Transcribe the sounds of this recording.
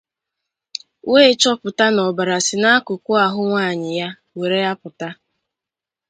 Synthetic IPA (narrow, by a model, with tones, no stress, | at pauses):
weː˦t͡ʃɔ˦pʊ˨ta˦nɔ˨ba˨ɾa˨sɪ˨na˦kʊ˨kʷʊ˦a˨ɦʊ˦ŋʷaː˦˨ɲɪ˨ja˦ | we˨ɾe˦ja˦pʊ˨ta˦